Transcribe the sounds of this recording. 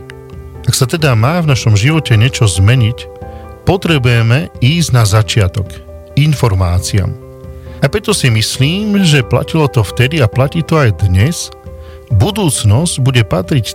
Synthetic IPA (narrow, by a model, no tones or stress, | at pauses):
aksat̪ɛd̪amaːvnaʃɔmʒiʋɔcɛɲɪɛt͡ʃɔzmɛɲic | pɔt̪ɾɛbujɛmɛiːzɟnazat͡ʃɪat̪ɔk | infɔɾmaːt͡sia̰m | apɾɛt̪ɔsimisliːmʒɛpla̰cilɔt̪ɔft̪ɛd̪iaplaciːt̪ɔajd̪ɲɛz | bud̪uːt͡snɔzɟbuɟɛpat̪ɾic